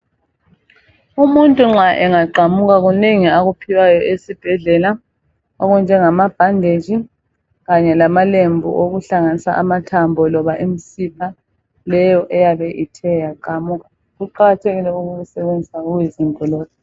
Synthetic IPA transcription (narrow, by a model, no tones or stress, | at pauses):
umuntʼuŋ͡ǁaʔɛŋaǃamuɣaɣuneŋiaɣupʰiwajɔʔesib̥ʱɛɮɛla | ɔɣund͡ʒʱɛŋamab̥ʱandʱed͡ʒʱi | ɣaɲɛlamalembʱuʔoɣuɬaŋanisa̰ʔamatʰambʱɔlɔβaʔim̩sipʰa | lɛjɔʔɛjaβɛʔitʰɛjaǃamuɣa | ɣuǃaɣatʰeɣilɛuɣuɣusɛβend͡zʱisauɣwizimbʱɔlɔːkʰɛ